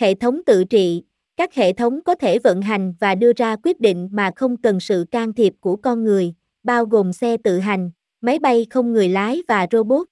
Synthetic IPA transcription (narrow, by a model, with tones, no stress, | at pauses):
hḛ˧˨t̪ʰə˨˦wŋ͡mt̪ɨ̰˧˨t͡ɕḭ˧˨ | kaː˦˥k̚hḛ˧˨t̪ʰə˨˦wŋ͡mkɔ˨˦t̪ʰe˧˩və̰˧˨nɦa˨˩jŋ̟vaː˨˩ɗɨ˧əzaː˧kwi˦˥ət̚ɗḭ˧˨ŋ̟maː˨˩xə˧wŋ͡mkə˨˩nsɨ̰˧˨kaː˧ŋt̪ʰi˨˩əp̚ku˧˩əkɔ˧nŋɨ˨˩əj | ɓaː˧wɣo˨˩msɛ˧t̪ɨ̰˧˨ɦa˨˩jŋ̟ | ma˨˦jɓa˧jxə˧wŋ͡mŋɨ˨˩əjlaː˨˦jvaː˨˩zo˧ɓo˦˥t̚